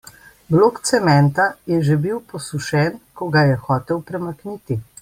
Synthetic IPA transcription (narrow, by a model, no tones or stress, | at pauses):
bloːkt̪sɛmɛnt̪ajɛʒebiwpɔsuʃɛnkɔɡajɛxɔːt̪ɛwpɾɛmakniːt̪i